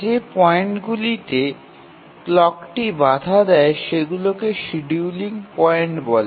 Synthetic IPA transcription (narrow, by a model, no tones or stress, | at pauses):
d͡ʑepɔeɳʈɡulit̪e | klɔkʈibad̪ʱad̪ɛeʃeɡulokeʃiɖiuliŋpɔeɳʈbɔle